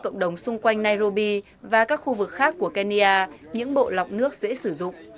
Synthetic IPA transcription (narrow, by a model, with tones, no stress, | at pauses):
kə̰˧˨wŋ͡mɗə˨˩wŋ͡msʊ˧ŋ͡mkwa˧jŋ̟naː˧jzo˧ɓi˧ | vaː˨˩kaː˦˥k̚xu˧vɨ˨˩k̚xaː˦˥kːu˧˩əka˧ni˧ʔaː˧ɲɨ̰˧˥ŋɓo̰˧˨la˨˩wk͡p̚nɨ˦˥ək̚zḛ˧˥sɨ˧˩zʊ̰˧˨ŋ͡m